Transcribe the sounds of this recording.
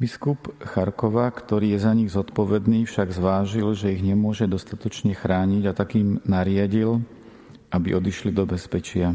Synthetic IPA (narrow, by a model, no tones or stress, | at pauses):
biskupxaɾkɔʋakt̪ɔɾiːjɛzaɲiɣzɔt̪pɔʋɛd̪niːfʃaɡzʋaːʒilʒɛiɣɲɛmʊɔʒɛd̪ɔst̪at̪ɔt͡ʃɲɛxɾaːɲiɟat̪akiːmnaɾɪaɟil | ʔabiʔɔd̪iʃlid̪ɔbɛspɛt͡ʃɪa